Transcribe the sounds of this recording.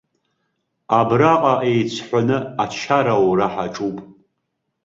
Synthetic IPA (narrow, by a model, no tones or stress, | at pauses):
abraqʼaʔejt͡ɕʷʰħʷanɨat͡ʃʰaɾawraħaʈ͡ʂʼupʼ